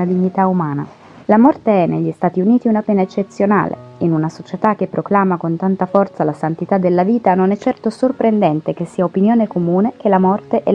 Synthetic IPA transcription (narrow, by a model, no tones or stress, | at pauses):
ad̪iɲːit̪aumaːna̰ | lamɔrt̪eɛneʎːist̪aːt̪iuniːt̪iunapɛːnaet͡ʃːet̪sːjona̰ːlḛinunasot͡ʃet̪ak̟ːepːɾoklaːmakont̪ant̪afɔrt̪salasant̪it̪ad̪ːelːaviːt̪anonɛt͡ʃːɛrt̪osorpɾend̪ɛnt̪ekesːiːaopinjoːnekomuːnek̟elːamɔrt̪eʔɛ